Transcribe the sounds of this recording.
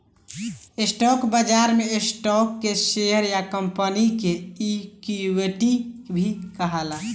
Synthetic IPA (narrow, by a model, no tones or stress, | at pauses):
esʈɔkbəd͡ʒaɾmeesʈɔkːeseɦəɾjakəmpənikeikiweʈibʱikəɦəla